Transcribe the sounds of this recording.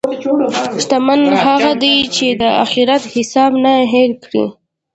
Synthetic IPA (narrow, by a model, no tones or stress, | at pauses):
ʃt̪amanɦaɣad̪it͡ʃed̪əaxiɾat̪hɪsɑbnaɦelkɽḭ